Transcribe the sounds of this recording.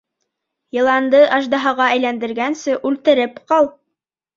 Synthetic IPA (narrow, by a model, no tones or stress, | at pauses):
jɤ̆lˠɑnd̪ɤʔɑʒd̪ɑɦɑʁɑæjlænd̪ɘ̆ɾɡænsɘʔʉlt̪ɘ̆ɾɘpqɑlˠ